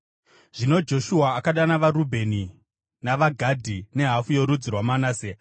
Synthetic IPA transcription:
ʐ̥ino̞d͡ʒo̞ʃuaːkaɗanaʋaɾubʱe̞ni | naʋaɡʱadʱine̞ɦafujoɾud͡zirwamanaːse

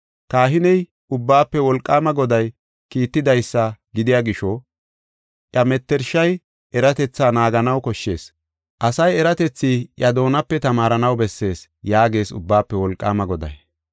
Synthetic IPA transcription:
kaːɦɪnɛj | ʊbːaːpːɛwɔlkʼːaːmɐɡɔd̪ɐj | kiːt̪ːɪd̪ɐjsːɐɡɪd̪ɪjaːɡɪʃɔ | ʔjɐmɛt̪ːɛɾʃɐj | ɛɾɐt̪ɛt͡sːaːnaːɡɐnɐwkɔʃːe̞̰ːs | ʔɐsɐjɛɾɐt̪ɛt͡sːiːʔjɐd̪o̞ːnɐpːɛt̪ɐmaːɾɐnɐwbɛsːe̞ːs | jaːɡe̞ːsʊ̰bːaːpːɛwɔlkʼːa̰ːmɐɡɔd̪ɐ̰j

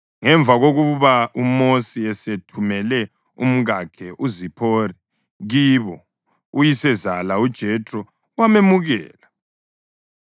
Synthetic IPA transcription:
ŋɛɱb̪vʱaɣoɣuβaumosiɛsetʰumɛlɛ | ṵm̩ɣakʰɛʔuzipʰorɛ | ɣiβɔ | ujisɛzalaud̥ʒ̥ʱɛtʼrɔ | wamemuɣɛ̰ːla

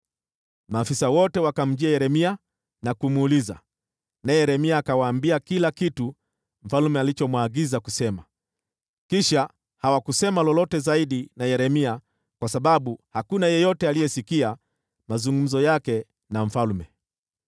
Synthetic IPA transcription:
maːfisawɔtɛwakam̩d͡ʒiajɛɾɛmia | nakumːliza̰ | naɛjɛɾɛmiaːkawaːmbiakilakitu | m̩falmɛalit͡ʃɔmwaɡizakusɛma | kiʃa | hawakusɛmalɔlɔtɛzaiɗinajɛɾɛmia | kwasaɓaɓuhakunajɛjɔtɛalijɛsikia | mazuŋɡum̩zɔjakɛ | naɱ̩falmɛ

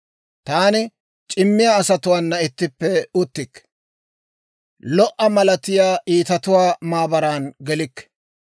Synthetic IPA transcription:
t̪aːnɪ | t͡ʃʼɪmːɪjaːsɐt̪ʊwaːnːɐɪt̪ːɪpːɛʊt̪ːɪkː | lɔʔɐmɐlɐt̪ɪjaːʔiːt̪ɐt̪ʊwaːmaːbɐɾaːnɡɛlɪkːɛ̥

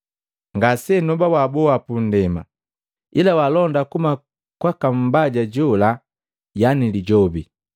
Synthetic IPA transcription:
ŋɡasɛnɔbawabɔwapun̩dɛma̰ | ilawalɔndakuma | kwakam̩baɟaɟɔla | janiliɟɔbi

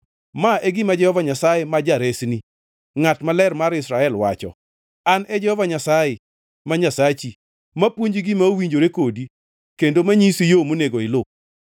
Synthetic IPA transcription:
maʔeɡɪmad͡ʒɛhɔvaɲasajemad͡ʒaɾesni | ŋatmalɛrmaɾɪsɾaɛlwa̰t͡ʃɔ̰ | anɛd͡ʒɛhɔvaɲasajɪ | maɲasat͡ʃi | mapwoɲd͡ʒiɡɪmaowiɲd͡ʒoɾekodi | kendomaɲisijomoneɡoɪlʊk̚

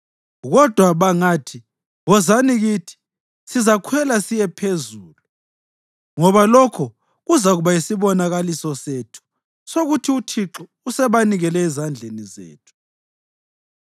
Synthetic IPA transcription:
ɣɔd̥ʱwaβaŋaːtʰi | βɔzaniɣitʰi̥ | sizakʰwɛlasijɛpʰezuːlu | ŋɔβalɔkʰɔ | ɣuzaɣuβaisiβɔnaɣalisɔsetʰu̥ | soɣutʰiutʰiǁɔ | usɛβaniɣɛlɛːzand͡ɮʱenizḛːtʰu̥

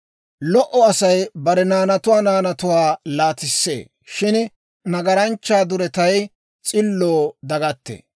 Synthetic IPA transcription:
lɔʔɔɐsɐjbɐɾɛnaːnɐt̪ʊwaːnaːnɐt̪ʊwaːlaːt̪ɪsːḛː | ʃɪn | nɐɡɐɾɐnt͡ʃːaːd̪ʊɾɛt̪ɐj | t͡sʼɪlːoːd̪ɐɡɐt̪ːḛ

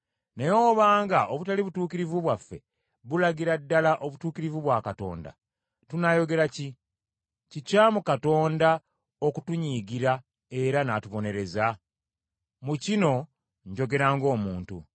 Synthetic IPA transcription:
nejoːβaːŋɡaʔoβutaliβutuːkiɾivuβwafːe̞̰ | βulaɡiɾadːalaʔo̞βutuːkiɾivuβwaːkato̞̰ːnda̰ | tunajo̞ɡe̞ɾaci | cicaːmukato̞ːnda | okutuɲiːɡiɾa | e̞ɾanatuβo̞ne̞ɾe̞za | mucino̞ | ɲɟo̞ɡe̞ɾaːŋɡo̞ːmuːntu

